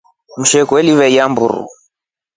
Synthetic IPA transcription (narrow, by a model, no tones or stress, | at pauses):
m̩ʃɛkwɛliβɛiambṵɾṵ